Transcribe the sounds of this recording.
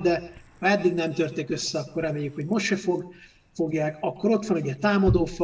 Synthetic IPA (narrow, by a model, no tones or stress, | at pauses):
d̪ɛhɒɛd̪ːiɡnɛmt̪ørt̪eːkø̞sːɛɒkːo̞rɛmeːjːykhoɟmo̞ʃʃefoɡ | fo̞ɡjaːkɒkːo̞ɾo̞t̪ʋɒnuɟɛt̪aːmɒd̪oːfɒ